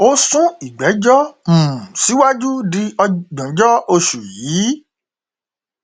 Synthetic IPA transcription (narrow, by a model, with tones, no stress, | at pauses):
o˦sũ˦i˨ɡ͡bɛ˨˦d͡ʒɔ˦m̩̃˨si˨˦wa˦d͡ʒu˦di˧ɔ˧ɡ͡bɔ̃˨d͡ʒɔ˦o˧ʃu˨ji˨˦